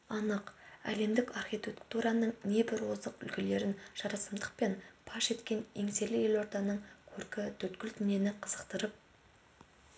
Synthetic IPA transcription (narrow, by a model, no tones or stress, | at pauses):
ɑnəqæ̰le̞md̪ɪkɑrχʲijt̪ʲe̞kt̪uɾɑnəɴne̞bɪɾwozəqʏ̰lkʲʰele̞ɾɪnʒ̥ɑɾɑsəmd̪əq̚pe̞npʰɑʃe̞t̪kʲe̞ne̞ŋse̞lɪje̞lwoɾt̪ɑnəɴkʲʰɵɾkʲɪt̪ʰɵt̪kʲɪlt̪ɪne̞nɪqʰəzəqt̪əɾəp̚